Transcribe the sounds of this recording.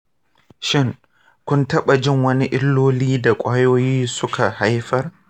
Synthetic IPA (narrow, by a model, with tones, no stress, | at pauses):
ʃɪ˦ŋ | kʷʊ˦ntɐ˦ɓa˨d͡ʒɪ˦˨ŋwɐ˦ni˦ʔɪ˦lːoː˦liː˦da˨kʷʼaː˦joː˦jiː˦sʊ˦ka˨ha˦jɸɐ˦r